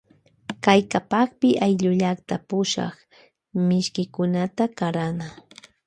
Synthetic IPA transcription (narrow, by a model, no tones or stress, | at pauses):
kajkapɑχpɪʔajʎʊʎakt̪apʊʃɑ̰χ | mɪʃkɪkʊnat̪akaɾana